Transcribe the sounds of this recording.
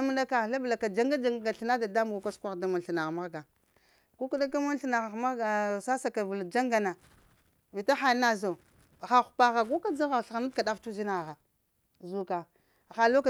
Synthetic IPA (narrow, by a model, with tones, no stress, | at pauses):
mu˦nda˦ka˨ɬa˦bla˨ka˨d͡ʒa˦ŋɡa˦d͡ʒa˦ŋɡɡa˨ɬi˦na˦da˨da˦m˦ɡu˨ka˦skʷa˦˨da˦mu˨n˨ɬi˨na˨ɣma˦ɣɡa˨ | ku˦ku˦da˦ka˦mu˦n˦ɬi˦na˨ɣa˨ma˦ɡa˨sa˦sa˨ka˨vu˨ld͡ʒa˦ŋɡa˨na˨ | vi˨ta˦xa˨˦na˦za˨ | xa˨xu̥˨pa˦ɣa˨ɡu˦ka˦d͡za˦ɣa˨ɬɣna˦ka˨da˦ftu˦zi˦na˨ɣa˨ | zu˦ka˨ | xa˨lo˦ka˨